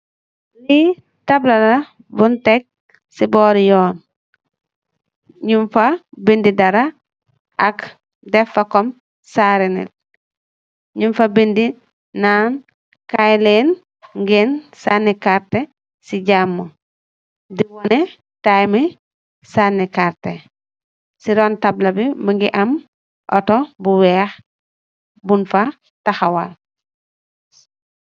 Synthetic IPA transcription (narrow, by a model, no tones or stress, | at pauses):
li | tablɐla | buntek̚ | sibɔːɾjɔːn | ɲumfabindidɐɾa | ʔak | dɛfɐkɔm | saɾinḭl | ɲumfabindi | nan | kajlen | ŋɡensanːikaɾte | siɟaːmːɐ | diwɔnɛ | tajmi | sanikaɾte | siɾɔːntablɐbibuŋɡiʔɐm | ʔɔtɔbuwɛːx | bunfa | taxawal